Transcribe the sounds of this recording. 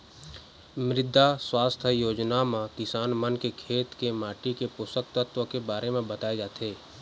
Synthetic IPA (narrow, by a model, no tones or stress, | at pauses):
mɾɪd̪ʱːaswaːst̪ʰəjoːd͡ʒnamãkɪsaːnmənkekʰeːt̪kemaːʈikepʊsək̚t̪ət̪wəkebaːɾʔemẽbɐt̪aːed͡ʒaːt̪ɦeː